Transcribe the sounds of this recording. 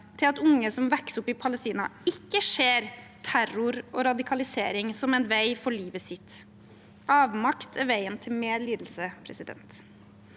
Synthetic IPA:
t̪ʰɪlɑt̪ʊŋːəsɔmʋɛksəʊpːɪpʰɑləst̪iːnɑ̰ɪkːəʂeːɾt̪ʰæɾʊɾoːɾɑd̪ɪkʰɑlɪseːɾɪŋsɔmɛnʋæɪfɔɭiːʋəsɪt̪ | ɑːʋmɑkt̪ʰɛʋæɪənt̪ʰɪlmeːliːd̪l̩səpʰɾɛsɪd̪ɛ̰nt̪

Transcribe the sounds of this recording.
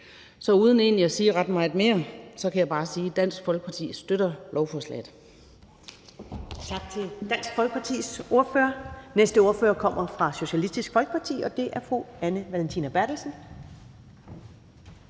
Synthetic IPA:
sɒ̽uːð̞ˠn̩e̝̰ːnliæsiːʁɑd̥mɑ̈ɪð̥̩ˠme̝ːɐsɒ̽kʰæjɑ̈b̥ɑ̈ːsiːd̥æn̰sɡ̥fɒ̽lɡ̥ə̥pʰɑ̈t͡sʰḭːsd̥øɾ̥ɐlʔɒʊfɒslɛ̰ːð̩ˠ | t͡sʰɑ̈ɡ̥̚t͡sʰe̝ld̥æn̰sɡ̥fɒlɡ̥əpʰɑ̈t͡sʰḭːsʔo̝ɐføːɐnesd̥əo̝ɐføːɐkʰɒ̽m̰ʔɐfʁɑ̈ɕo̝ɕælisd̥isɡ̥fɒlɡ̥ə̥pʰɑ̈t͡sʰḭːɒ̽d̥e̝ʔæɐfʁuænəʋælent͡sʰḭnæb̥æɐd̥l̩sn̩

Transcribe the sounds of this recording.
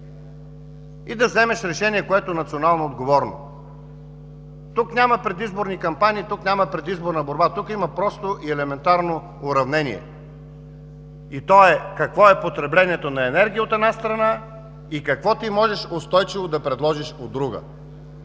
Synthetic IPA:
id̪ɐvzɛmɛʃɾɛʃɛniɛkoɛt̪onɐt̪sionalˠnood̪ɡovɔɾno̰ | t̪uknʲaməpɾɛd̪izboɾnikɐmpaniːt̪uknʲamɐpɾɛd̪izboɾnəboɾbat̪ukimɐpɾɔst̪oʔiɛlɛmɛnt̪aɾnoː | ɾɐvnɛnʲḭɛ̰ | it̪ɔɛkɐkvɔɛpot̪ɾɛblɛnʲiɛt̪onɐɛnɛɾɡʲijəot̪ɛd̪nast̪ɾɐna | ikɐkvɔt̪imɔʒɛʃost̪ɔjt͡ʃɪvod̪ɐpɾɛd̪lˠɔʒiʃod̪ːɾuɡə̰

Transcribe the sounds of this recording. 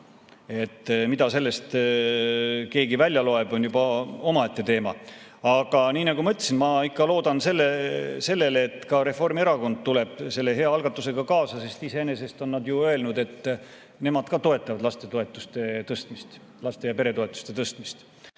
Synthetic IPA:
e̞t̪ːmid̪̥ɑse̞lːe̞st̪ | ke̞ːɡivælʲjɑlo̞e̞b̥o̞njubɑo̞mɑe̞t̪ːe̞t̪e̞ːmɑ̰ | ɑɡ̥ɑniːnɑɡumɤt̪ʲːˑesinmɑikːɑlo̞ːd̪ɑnse̞lːese̞lːe̞lːt̪ːkɑɾe̞fo̞rmie̞ɾɑko̞nd̪̥̚t̪ule̞b̥se̞lːe̞ɦe̞ɑɑlɡ̥ɑt̪ːˑuse̞ɡ̥ɑkɑːsɑse̞st̪ise̞ene̞se̞st̪o̞nːɑd̪juø̞e̞lnud̪e̞t̪ː | ne̞mɑd̪̥kɑt̪o̞e̞t̪ːˑɑvɑd̪lɑst̪e̞t̪oe̞t̪ːˑust̪et̪ɤst̪mist̪ | lɑst̪e̞jɑpe̞ɾe̞t̪o̞e̞t̪ːˑu̥st̪e̞t̪ɤst̪mist̪

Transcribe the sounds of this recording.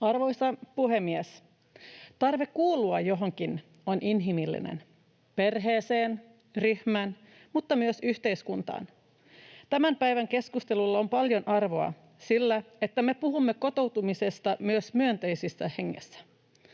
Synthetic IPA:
ɑrʋo̞jst̪ɑpuɦe̞mːies | t̪ɑrʋe̞kːuːlːˑuɑjjo̞ɦoŋkin | onʔinɦimilːḭnḛn | pe̞rɦeːseːn | ryhmæːn | mut̪ːɑmyøsyht̪e̞iskunt̪ɑ̰ːn | t̪æmæmpæjʋæŋke̞skust̪e̞lulːɑompɑljo̞nʔɑrʋo̞ɑ̰ | silːæe̞t̪ːæme̞puɦumːe̞ko̞t̪o̞wt̪umise̞st̪ɑmyøsmyønt̪ejsisːæhe̞ŋːḛsːæ̥

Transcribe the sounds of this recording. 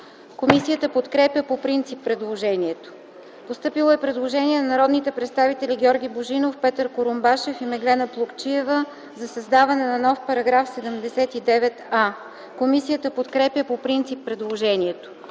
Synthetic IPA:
komisijət̪əpot̪kɾɛpjəpopɾint̪sipːɾɛd̪lˠoʒɛniɛt̪o̥ | post̪ɤpilˠoɛpɾɛd̪lˠoʒɛniɛnɐnɐɾɔd̪nit̪ɛpɾɛt̪st̪avit̪ɛlʲiɡʲɔɾɡʲiboʒinofpɛt̪əɾkoɾombaʃɛfimɛɡlɛnəplˠokt͡ʃiɛvə | zɐsɐzd̪avɐnɛnɐnɔfpɐɾɐɡɾafsɛd̪ɛmd̪ɛsɛt̪id̪ɛvɛt̪a | komisijət̪əpot̪kɾɛpʲjəpopɾint̪sipːɾɛd̪lˠoʒɛniɛt̪o̥

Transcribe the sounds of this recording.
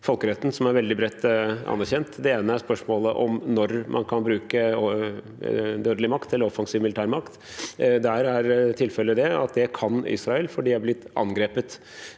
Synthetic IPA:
fɔlkəɾɛt̪ːn̩sɔmæɾʋɛld̪ɪbɾɛt̪ːɑ̰næɾçɛnt̪d̪ɛeːnəæʂpœʂmoːləʔɔmnɔɾmʔɑ̰nkʰɑnbɾʉːkə | d̪øːd̪əlɪmɑkt̪ɛlːəɾɔfɑŋsiːʋmɪlɪt̪æːɾmɑkt̪ | d̪æɾæɾt̪ʰɪlfɛlːəd̪ɛɑ̰t̪̚d̪ɛkʰɑnɪ̰sɾɑɛlfɔɖiːæblɪt̪ːɑ̰nɡɾeːpət̪

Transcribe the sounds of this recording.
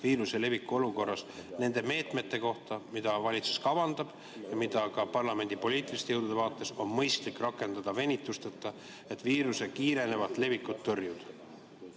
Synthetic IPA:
viːɾuse̞le̞vikːˑuo̞luko̞rːɑsne̞nd̪̥e̞me̞ːt̪ˑme̞t̪ːˑe̞ko̞ht̪ɑmid̪̥ɑvɑlʲit̪su̥skɑvɑnd̪̥ɑb̥ | jɑmid̪̥ɑkɑpɑrlɑme̞nʲd̪̥ipo̞liːt̪ːˑilist̪ejowd̪ud̪evɑːt̪ːˑe̞so̞nmɤjst̪likːrɑkːˑe̞nd̪̥ɑd̪̥ɑve̞nʲit̪ːˑust̪ɑt̪ːˑɑ | e̞t̪ːˑviːɾuse̞kiːɾe̞nevɑt̪ˑle̞vikːˑut̪ːorjud̪̥

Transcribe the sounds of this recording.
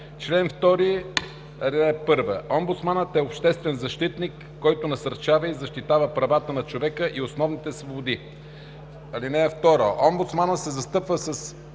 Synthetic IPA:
t͡ʃlɛnft̪ɔɾi | ɐlinɛɛpɤɾvə̰ʔɔmbʊt̪smanət̪ɛopʃt̪ɛst̪vɛnzɐʃt̪it̪nikːɔjt̪ʊnɐsɐɾt͡ʃavəizɐʃt̪it̪avəpɾɐvat̪ənɐt͡ʃovɛkəʔiosnɔvnit̪ɛsvobʊd̪i | ɐlinɛːft̪ɔɾoʔɔmbʊt̪smanət̪sɛzɐst̪ɤpvəsəs

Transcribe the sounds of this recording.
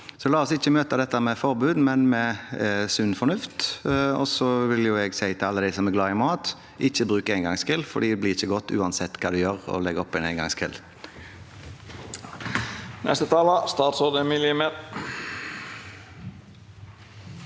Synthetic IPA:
sɔlɑːɔsɪçːəmøːt̪əd̪ɛt̪ːəmɛfɔʁbʉːd̪mɛnmɛsʉnːfɔnʉft̪ɔsɔʋɪljʊɛɡsæɪt̪ʰɪlɑlːəd̪æɪsɔmɛɾɡlɑːɪmɑːt̪ | ʔɪçːəbʁʉːkəɛɪŋɡɑŋskɪlfɔɖ̪iːd̪ɛblɪːʁɪçːəɡɔt̪ːʉ̰ːɑnsɛt̪ːkʰɑːd̪ʉjøːʁɔ̰lɛɡɔpːɛnæɪŋɡɑ̰ŋskʰɪ̰l | nʔɛ̰st̪ət̪ʰɑːləst̪ɑːt̪sɔːd̪əmɪliːme

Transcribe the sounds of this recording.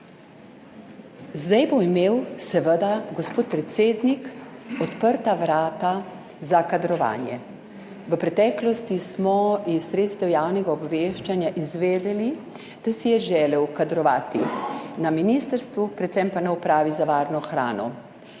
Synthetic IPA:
zd̪ajboimeːwsɛʋəd̪aɡɔspoːt̪̚pɾɛt̪seːd̪nikɔt̪pəɾt̪aʋɾaːt̪a | zakad̪ɾɔʋa̰ːnjɛ | ʋəpɾɛt̪ɛːklɔst̪ismɔissːɾeːt̪st̪ɛwjaːwnɛɡaɔbʋeːʃt͡ʃanjaʔizʋeːd̪ɛli | d̪̥asijɛʒɛːlɛwkad̪ɾɔʋaːt̪inaminist̪əɾst̪ʋupɾɛt̪sɛmpanɛɔpɾaːʋizaʋaːɾnɔxɾa̰ːnɔ

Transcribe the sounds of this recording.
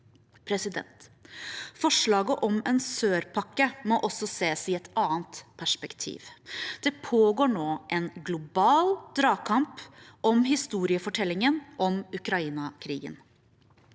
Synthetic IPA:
pʰɾɛsɪd̪ɛ̰nt̪ | fɔʂɭɑːɡəʔɔmɛːnsøːɾpʰɑkːəmɔʔɔsɔseːsɪɛt̪ɑːənt̪pʰæʂpɛkt̪ʰḭːʋd̪̥ɛpʰoːɡoːɳoːʔɛnɡlʊbɑːld̪ɾɑːkʰɑmpʔɔmɦɪst̪uːɾɪəfɔʈʰɛlːɪŋənʔɔmʉkɾɑiːnɑkʰɾḭːɡə̰n

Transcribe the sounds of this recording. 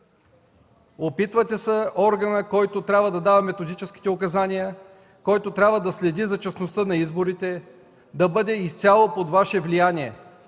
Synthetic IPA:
opit̪vət̪ɛsəɔɾɡɐnəkɔjt̪ot̪ɾʲabvəd̪ɐd̪avɐmɛt̪od̪it͡ʃɛsk̟i̥t̪ɛokɐzanijə | kɔjt̪ot̪ɾʲabvəd̪ɐslɛd̪izɐt͡ʃɐsnost̪ənɐizboɾit̪ɛ | d̪ɐbɤd̪ɛist̪sʲalˠopod̪vaʃɛvlijaniɛ

